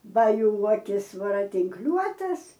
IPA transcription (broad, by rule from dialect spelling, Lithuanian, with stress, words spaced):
ˈbɐ ˈjuː ˈuɔkʲɪs ʋɐrɐtʲɪŋkˈlʲuɔtɐs